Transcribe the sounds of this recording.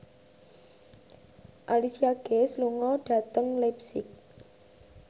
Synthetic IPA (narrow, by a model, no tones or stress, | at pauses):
ʔalisiaɡ̥esluŋɔɖ̥ä̤t̪əŋlapsɪk̚